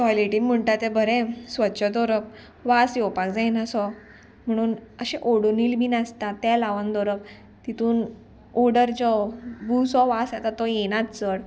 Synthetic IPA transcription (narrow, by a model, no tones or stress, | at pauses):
sɔleʈiŋm̤əɳʈat̪ebʱəɾẽsʋətːɕʰəd̪ɔɾəp̚ | ʋasjɔpakd͡zajnasɔ | m̤əɽ̃uːnəɕẽʔoɽoniːlbʱiːnast̪at̪alaʋand̪ɔɾəp̚ | t̪it̪uːn | ɔɽəɾd͡ʑɔbusɔʋasat̪at̪ːɔjenat̪t͡səɽ